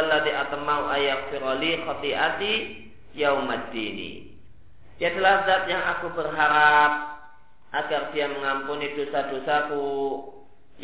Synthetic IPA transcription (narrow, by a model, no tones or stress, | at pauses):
alːaðiʔat̪əmawʔajarfiɾɔlixɔt̪iʔat̪i | jawmad̪inḭ | jadəlahd̪at̪jaŋakubərɦaɾap̚ | ʔaɡard̥iaməŋampunidosadosaku